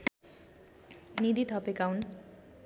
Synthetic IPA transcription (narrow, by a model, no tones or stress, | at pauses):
nid̪it̪ʰʌpekawn